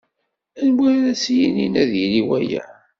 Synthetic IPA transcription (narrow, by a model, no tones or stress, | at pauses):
ænwiɾæsijininæðiliwæjæ̰